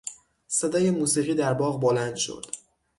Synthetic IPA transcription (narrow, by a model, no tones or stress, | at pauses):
sed̪ɒːje̞muːsiːʁiːd̪æɾbɒːɣbolænd̪ʃo̰d̪̥